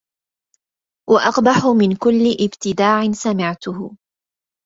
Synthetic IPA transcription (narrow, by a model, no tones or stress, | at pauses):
wʔaʔɑqbaħʊmɪnkʊlːɪʔɪbt̪ɪd̪aːʕɪnsamɪʕt̪ʊhʊ